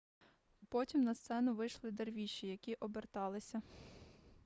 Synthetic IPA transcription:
pɔtʲimnɐst̪sɛnʊʋɪjʃlˠɪd̪erʋʲiʃijɐkʲiʔɔbert̪ɑlˠɪsʲɐ

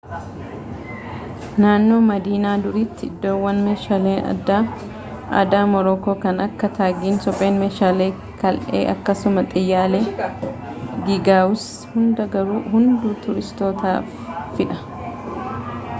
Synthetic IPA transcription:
naːnːo̞ːmɐd̪iːnaːd̪ʊɾit̪ːɪɪd̪ːo̞ːwːɐnmeːʃaːleːɐ̰d̪ːaː | ʔɐ̰d̪aːmɔɾoːko̞ːkɐnɐkːɐt̪ʰaːɡiːnsɔpʼe̞ːnmeːʃaːleː | kɐlʔḛːʔɐ̰kːɐsʊmɐt̪ʼɪjːaːle | ɡɪɡaːwʊs | hʊnd̪ɐɡɐɾuːɦʊnd̪uːt̪ʊɾɪst̪o̞ːt̪a̰ː | fɪᶑɐ

